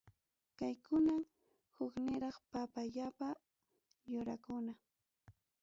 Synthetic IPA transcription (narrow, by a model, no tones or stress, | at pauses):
kajkʊnam | hʊknɪɾɑχpapaʎapa | jʊɾakʊna